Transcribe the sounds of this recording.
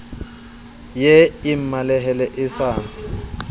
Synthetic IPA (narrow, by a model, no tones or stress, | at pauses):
jeɪm̩malɛɦɛlɛʔɪsaːn